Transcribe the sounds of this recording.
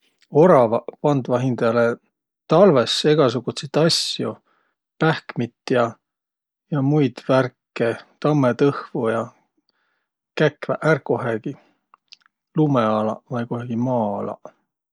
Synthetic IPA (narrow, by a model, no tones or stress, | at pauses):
oɾɑvɑpɑnd̪vɑɦind̪̥ɑɑle | t̪ɑlve̞se̞ɡ̥ɑs̬uɡ̥ut̪sit̪ɑsju | pæhkmit̪ːˑjɑ | jɑmujd̪̥værkːet̪ɑmːet̪ɤhvujɑ | kækːvæʔærkːoɦeɡ̥i | lumeɑlɑvɑjkuɦɑɡ̥imɑːɑlɑ̰